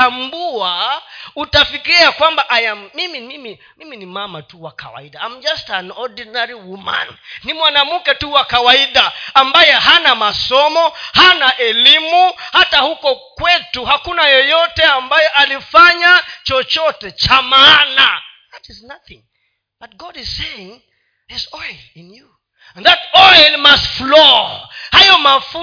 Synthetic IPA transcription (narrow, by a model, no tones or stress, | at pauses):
ambuautafikiiakwambaʔajamimimimi | miminimamatuwaka̰wa̰iɗaam̩d͡ʒastanɔdinaɾiwuma̰nːimwanamukɛtuwakawaiɗaːmbajɛɦanamasɔmɔhanaʔɛlimuhatahukɔkwɛtuɦakunajɔjɔtɛambajɛʔalifaɲat͡ʃɔt͡ʃɔtɛt͡ʃamana | ðatiznaθĩŋ | bat̚ɡɔdiz̥seɪ̃ŋ | ðisɔjlinju | nðatɔjlmastflɔhajɔmafu